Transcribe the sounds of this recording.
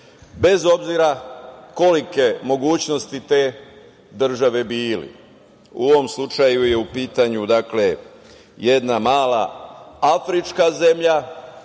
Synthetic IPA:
be̞zo̞bziɾako̞like̞mo̞ɡuːt͡ɕno̞st̪it̪e̞ː | d̪r̩ʒaʋe̞biːlḭ | ṵo̞ʋo̞mslut͡ʃajuje̞upiːt̪aɲud̪akle̞ | je̞d̪namaːla̰afɾit͡ʃkaze̞mʎa

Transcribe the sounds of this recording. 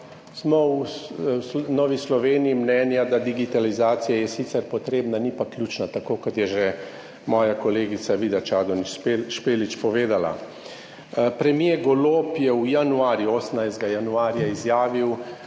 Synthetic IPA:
smɔw | nɔːʋislɔʋeːniːmnɛːnjad̪ad̪iɡit̪alizaːt̪sijajɛsit̪sɛɾpɔt̪ɾeːbnanipaklʲjuːt͡ʃnat̪akoːkɔt̪jɛʒɛ | mɔːjakɔleːɡit̪saʋiːd̪at͡ʃaːd̪ɔnpʃpeːlit͡ʃpɔʋeːd̪ala̰ | pɾɛmijeɡɔloːpjɛwjanuaːɾjuoɔːsnajzd̪ɡajanuaːɾjaizjaːʋiw

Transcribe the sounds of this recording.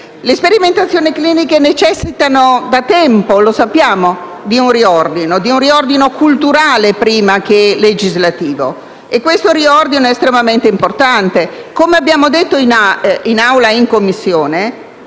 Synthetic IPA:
lespeɾiment̪at̪sːjoːnikliːnikenet͡ʃɛsːit̪anod̪at̪ɛmpolosapːjaːmo | d̪iunriɔrd̪inod̪iunriɔrd̪inokult̪uɾaːlepɾiːmak̟eled͡ʒizlat̪iːvo̰ | ekwest̪oɾiɔrd̪inoɛest̪ɾemament̪eimport̪ant̪ekomeabːjaːmod̪et̪ːoinainawlaiŋkomːisːjoːne

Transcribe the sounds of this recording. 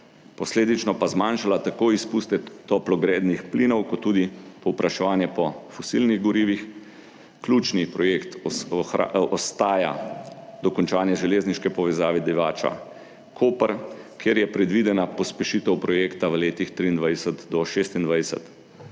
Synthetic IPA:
pɔsleːd̪it͡ʃnɔpazmaːnʃalat̪akoːispuːst̪ɛt̪ɔplɔɡɾeːd̪nixpliːnɔwkɔt̪ːuːd̪ipɔwpɾʔaʃɛʋaːnjɛpɔfɔsilniɣɡɔɾiːʋix | klʲuːt͡ʃnipɾɔjekt̪a̰ɔst̪aːja̰d̪ɔkɔnt͡ʃaːnjɛʒɛleːzniʃkɛpɔʋɛzaːʋɛd̪iʋaːt͡ʃa̰ | kʰoːpəɾkʰeːɾjɛpɾɛd̪ʋiːd̪ɛnapɔspɛʃiːt̪ɛwpɾɔjeːkt̪aʋəleːt̪ixt̪ɾiːnd̪ʋajsət̪d̪ɔʃeːst̪ind̪ʋajsə̰t̪

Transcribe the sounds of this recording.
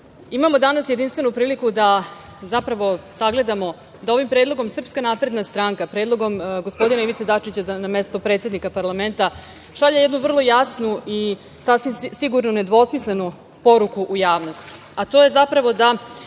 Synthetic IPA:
imamo̞d̪anasjed̪inst̪ʋe̞nupɾiːlikud̪a | zapɾaʋo̞saɡle̞d̪amo̞ | d̪ao̞ʋimpɾeːd̪lˠo̞ɡo̞msr̩pskanaːpɾe̞d̪nast̪ɾaːŋkapɾe̞ːd̪lˠo̞ɡo̞mɡo̞spo̞d̪inaiʋit̪sed̪at͡ʃit͡ɕanamest̪opɾe̞ːt̪sʲed̪nikapaɾlˠame̞nt̪a | ʃaʎajed̪nuʋr̩lˠo̞jasnui | sasʋimsiɡuɾnune̞d̪ʋo̞smisle̞nu | po̞ɾukuʔujaːʋno̞st̪i̥ | at̪o̞je̞zapɾaʋo̞d̪a

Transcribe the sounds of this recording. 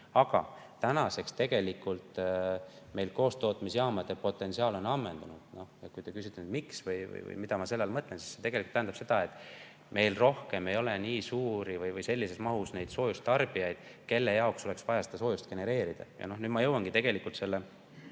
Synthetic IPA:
ɑɡ̥ɑ̰ | t̪ænɑse̞kst̪e̞ɡ̥e̞likːult̪ | me̞jlko̞ːst̪o̞ːt̪ːˑmisjɑːmɑd̪̥e̞po̞t̪ːˑe̞nsiɑːlo̞nɑmːend̪̥ɑnud̪̥no̞hjɑkujt̪ekys̬it̪ːˑenyd̪miksvɯjvɯ̰jvɯ̰jmid̪ɑmɑse̞lːelmɤt̪ˑlensi̥sse̞t̪e̞ɡelikːut̪ːæhænd̪ɑ̥bse̞d̪̥ɑe̞t̪ːˑ | me̞jlro̞hke̞me̞jo̞le̞niːsuːɾivɯjvɯjse̞lʲːise̞smɑɦusne̞jd̪̥so̞ːjust̪t̪ɑrb̥ijɑjd̪̥ke̞lːe̞jɑokso̞le̞ksvɑjɑsed̪̥ɑs̬o̞ːjust̪̚ke̞ne̞ɾe̞ːɾid̪̥ɑ̰jʔɑ̰no̞hnyːd̪̥mɑjɤwːɑŋɡ̥it̪e̞ɡ̥e̞likːˑult̪se̞lːe

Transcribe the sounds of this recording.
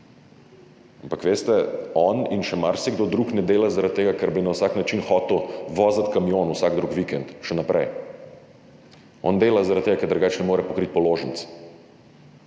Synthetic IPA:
ampakʋeːst̪ɛɔninʃɛmaɾsɛɡd̪oːd̪ɾuknɛd̪eːlazaɾat̪̚t̪ːeːɡakɛɾbinawsaknat͡ʃinxɔːt̪ɛwʋɔːzat̪kamijoːnuwsaɡd̪ɾukʋikɛnt̪ʃɛnapɾɛ̰j | ɔ̰nd̪eːlazaɾat̪t̪eːɡakɛɾd̪ɾɡaːt͡ʃnɛmoːɾɛpɔkɾit̪̚pɔloːʒənt̪s

